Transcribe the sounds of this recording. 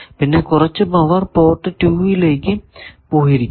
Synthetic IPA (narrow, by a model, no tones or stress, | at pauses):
pinːekʊrɐt͡ɕːɨbɐʋɐrpoːʈːɨʈuːʋileːkɨpoːɦiɾikʲː